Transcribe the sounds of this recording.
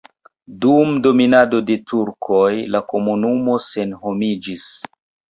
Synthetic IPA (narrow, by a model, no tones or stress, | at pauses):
dumdo̞minado̞de̞tuɾkʰo̞jlako̞munumo̞se̞nɦo̞mid͡ʒis